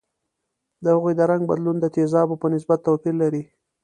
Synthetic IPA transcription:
d̪əhaɣujd̪əɾaŋɡ̚bad̪lund̪ət̪ezɑbopənɪs̬bat̪ːawkillaɾi

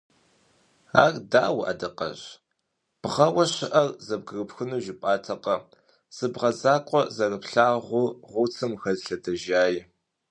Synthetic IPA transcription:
a̰ːrdaːwʔɐ̰dɐqɐ̰ɕ | b̥ʁɐwɐɕɪʔɐrzɐb̚ɡɨrɨpxɨnuʒɪpʼaːtʰɐqɐ | z̥ɨbʁɐzaːkʷʼɔzɐrɨpɬaːʁʷʊʁʷʊt͡sʰɨmxɐzɬɐdɐʒaːj

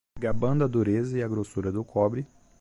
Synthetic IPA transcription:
ɡabɐ̃nd̪ɐd̪uɾezɐɪɐɡɾosuɾɐd̪ʊkʰɔbɾɪ

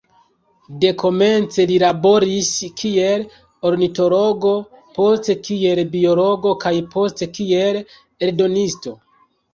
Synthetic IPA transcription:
de̞kʰo̞me̞nt͡se̞lilabo̞ɾiskʰie̞l | o̞ɾnito̞lo̞ɡo̞ | po̞ste̞kie̞lbio̞lo̞ɡo̞kajpʰo̞ste̞kie̞l | eɾdo̞nisto̞

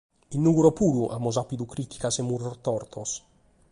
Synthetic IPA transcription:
inːuɡuɾɔpuːɾuʔa̰mɔzapid̪ukɾit̪i̥kasɛmːuɾɔrt̪ɔrt̪ʰɔs

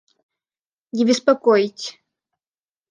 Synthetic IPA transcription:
nʲɪbʲɪspɐkojtʲ

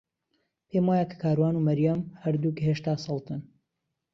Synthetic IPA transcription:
pʰejmwaːjakʰḁkʰaːɾwaːnumɐɾjamhɐɾd̪ukheːʃt̪aːsɑlˠt̪ɨn

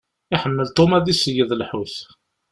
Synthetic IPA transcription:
ɪħəmːəlt̪ˤomæðisəjəðˤlħuθ

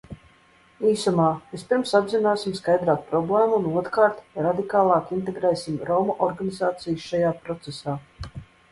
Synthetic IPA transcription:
iːsumaːvispiɾmsabzinaːsimskajd̪ɾaːk̪̚pɾɔblˠɛːmunuɔt̪kaːɾt̪ɾad̪ikaːlˠɑːkint̪̬eɡɾɛːsimɾɔmuʔɔɾɡanizaːt̪sijʃʃajaːpɾɔt̪sesaː

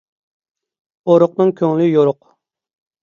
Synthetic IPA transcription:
oɾʊq̚nɨŋkʲʰøŋlɪjoɾʊq

